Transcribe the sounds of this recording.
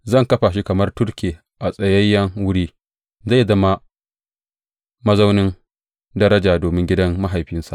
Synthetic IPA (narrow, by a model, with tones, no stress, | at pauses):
zɐ˦˨ŋkɐ˦ɸaː˨ʃ̬i˦kɐ˨mɐ˦rtʊ˦rkʲeː˨ | ʔa˨sʼɐ˨jɐ˦jːɐ˦ŋwʊ˦ɽiː˦ | za˦˨zɐ˦ma˦ | mɐ˦za˦wnɪ˦n | dɐ˦ɾɐ˦d͡ʒaː˨doː˨mɪ˦ŋɡʲɪ˦dɐ˦mːa˦ɦa˨jɸɪ˦nsa̰˨ʔ